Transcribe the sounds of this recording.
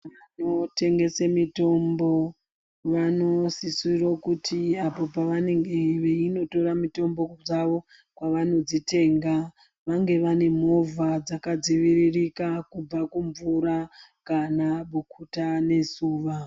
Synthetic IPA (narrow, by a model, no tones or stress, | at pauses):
ʋanote̞ŋɡe̞semito̞mbo̞ | ʋano̞sisurokutʰiapo̞paʋane̞ŋɡeʋeino̞to̞ɾamito̞mbo̞d͡zaʋo̞ | kwaʋano̞d͡zite̞ːŋɡa | ʋaŋɡe̞ʋane̞m̤o̞vad͡zakad͡ziʋiɾirikakub͡vakuɱvuɾakanaɓukʰutane̞suːʋa